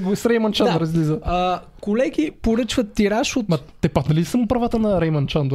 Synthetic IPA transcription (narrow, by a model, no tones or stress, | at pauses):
ɡsɾɛjmɐnt͡ʃanɾəzɡlizəɐkolɛɡʲipoɾət͡ʃvɐt̪ːiɾaʃomɐt̪ɛpak̪nɐlisɐmʊpɾɐvat̪ənɐɾɛjmɐnt͡ʃand̪